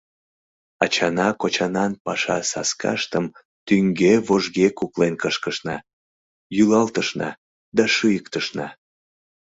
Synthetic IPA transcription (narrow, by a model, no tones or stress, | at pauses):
ɑt͡ɕɑnɑkot͡ɕɑnɑnpɑʃɑ̰sɑ̰skɑ̰ʃt̪əm | t̪yŋɡeβoʒɣekuklenkəʃkəʃnɑ̰ | jylɑlt̪əʃnɑ̰ | d̪ɑʃɯjəkt̪əʃnɑ̰